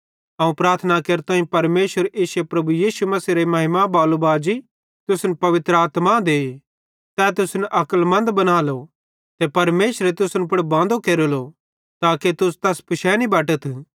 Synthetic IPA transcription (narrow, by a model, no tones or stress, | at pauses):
ɐũpɾaːɾt̪ʰnakeːɾt̪ãːĩpɐɾmeːsʋəɾʔeːsepɾɐbujiːsumɐsiɾemɐɦɪmabaːlubaːd͡ʒi | t̪ʊsnpɐʋɪt̪ɾəaːt̪mad̪eː | t̪ɛːt̪ʊsnʔɐkəlmɐ̃nd̪bɐnaːlo | t̪epɐɾmeːsɾet̪ʊsnpʊɽbãːnd̪okeːɾolo | t̪aːket̪ʊst̪ɛspɪʃɛnibɛːʈət̪ʰ